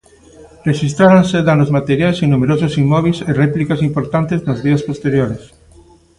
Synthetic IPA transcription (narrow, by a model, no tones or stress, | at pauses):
reʃist̪ɾaɾonseðanʊzmat̪eɾjajseŋnumeɾososimːɔβ̞iserɛplikasimpoɾt̪ant̪eznozðiɐspost̪eɾjoɾes